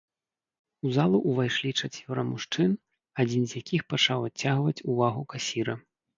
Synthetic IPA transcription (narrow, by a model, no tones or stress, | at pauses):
uzalˠuʔːvajʂlʲit͡ʂat͡sʲvʲɔɾɐmuʂt͡ʂɨn | ad͡zʲinzjakʲixpat͡ʂawat͡sʲːaɣvɐt͡sʲuvaɣukasʲiɾɐ